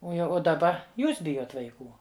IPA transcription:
ˈoː jɛʊ oː dɐˈbɐ ˈjuːs ˈbʲɪjoːt ʋɐɪˈkuː

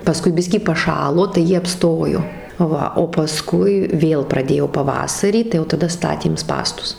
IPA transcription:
pɐˈskʊɪ ˈbʲɪsʲkʲiː pɐˈʃɑːlˠoː tɐɪ ˈjiɛ ɐpˈstoːjoː ˈʋɐ oː pɐˈskʊɪ ˈʋʲeːlˠ prɐˈdʲeːjoː pɐˈʋɑːsɐrʲiː tɐɪ jɛʊ tɐˈdɐ ˈstɑːtʲeːm ˈspɑːstʊs

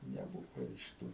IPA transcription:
nʲɛˈbuːʋɐ ɪʃ ˈtuː

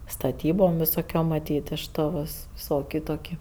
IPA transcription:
stɐˈtʲiːboːm ʋʲɪsoːˈkʲoːm mɐˈtʲiːt ɪʃ ˈtoː ʋʲɪs ˈʋʲɪsˌoːkʲɪ ˈtoːkʲɪ

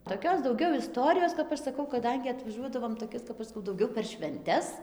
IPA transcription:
toːˈkʲoːs dɐʊˈɡʲɛʊ ɪˈstoːrʲɪjoːs kɐp ˈɐʃ sɐˈkɐʊ kɐˈdɐŋʲɡʲɪ ɐtʋɐˈʒuɔdɐʋoːm toːˈkʲɪs kɐp ˈɐʃ skɐʊ dɐʊˈɡʲɛʊ pʲɛr ʃʲʋʲɛnʲˈtʲɛs

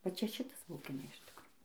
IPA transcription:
ʋɐ ˈt͡ʃʲɛ ˈʃʲɪtɐs bɐʊˈɡʲɪnɐ ɪʃ ˈtʲɪkroː

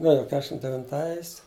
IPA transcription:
nʊ ˈjoː ˈkʲæːʃʲɪm dʲɛʋʲɪnˈtɐɪs

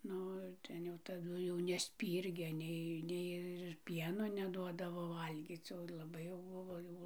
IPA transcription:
ˈnʊ ɪr ˈtʲɛn jɛʊ tɐˈdʊ jɛʊ nʲɛsʲˈpʲiːrʲɡʲeː ˈnʲɛɪ ˈnʲɛɪ ɪr ˈpʲiɛnoː nʲɛˈduɔdɐʋoː ˈʋɐlʲɡʲiːt͡s oː lˠɐˈbɐɪ jɛʊ ˈbʊʋoː ˈjɛʊ

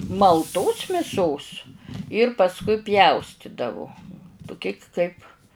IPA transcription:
mɐlˠˈtoːs mʲɪˈsoːs ɪr pɐsˈkʊɪ ˈpʲjɛʊsʲtʲɪdɐʋʊ tʊˈkʲɪ kɐɪp

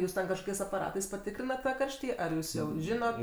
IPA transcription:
ˈjuːs tʲɛn kɐʃˈkoːkʲɛɪs ɐpɐˈrɑːtɐɪs pɐˈtʲɪkrʲɪnɐt tɑː ˈkɐrʲʃʲtʲiː ɐr ˈjuːs jɛʊ ˈʒʲɪnoːt

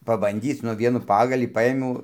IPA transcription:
pɐbɐnʲˈdʲiːt͡s ˈnʊ ˈʋʲiɛnuː pɐɡɐlʲiː ˈpɐeːmʲɛʊ

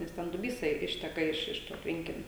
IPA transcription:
nʲɛs ˈtʲɛn dʊˈbʲiːsɐ ɪ ˈɪʃʲtʲɛkɐ ˈɪʃ ˈɪʃ toː ˈtʲʋʲɛŋʲkʲɪnʲoː

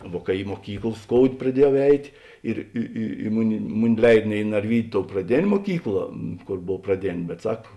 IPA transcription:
ˈʋuɔ kɐ ɪ moːˈkʲiːklˠ ˈskoːʊdʲeː prɐˈdʲiɛjɛʊ ˈɛɪtʲeː ˈɪr ɪ ɪ ɪ ˈmʊˌnʲɪ ˈmʊˌnʲɪ ˈlʲɛɪt nʲɛ ɪ nɐrʲˈʋʲiːdʲʊ toːʊ prɐˈdʲeːnʲ muɔˈkʲiːklˠɐ ˈkoːr ˈboːw prɐˈdʲeːnʲ bʲɛt ˈsɐk

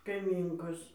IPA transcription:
kɐɪˈmʲiːŋkoːs

